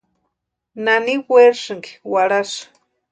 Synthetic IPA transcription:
naniweɾʂɨŋɡi̥waɽaʂ

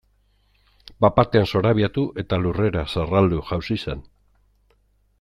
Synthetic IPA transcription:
bapat̪e̞anso̞ɾaβiat̪uʔe̞t̪alure̞ɾasarald̪uʝawsisen

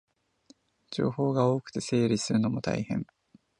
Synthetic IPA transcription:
d͡ʑo̞̰ːho̞ːɡao̞ːkɯ̟̥t̪e̞se̞ːɾʲisɨɾɯ̟no̞mo̞t̪a̰ihẽ̞̰ŋ

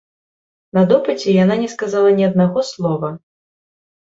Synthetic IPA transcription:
nɐd̪ɔpɨt͡sʲɛjananʲɛskazalˠɐnʲiɐd̪̚naɣɔslˠɔvɐ

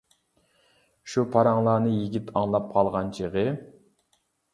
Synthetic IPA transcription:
ʃupʰɑɾɑŋlˠɑːnɨjiɡʲit̪ʰɑŋlˠɑp̚qʰɑlˠʁɑnt͡ʃʰeʁɨ

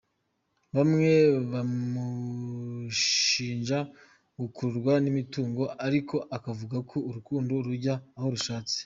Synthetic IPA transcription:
βamŋe̞βamu | ʃiːnʒa | ɡukuɾɡwanimituːŋɡo̞aɾiko̞ʔakavuɡakʰo̞uɾukuːndoɾuɾɟaːho̞ɾuʃaːt͡si̥

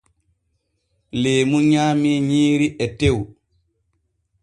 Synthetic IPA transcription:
leːmuɲaːmiɲiːɾiʔɛtew

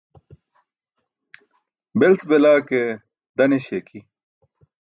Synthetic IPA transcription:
belt͡sbelaːke | d̪ɐneɕeːkʰi

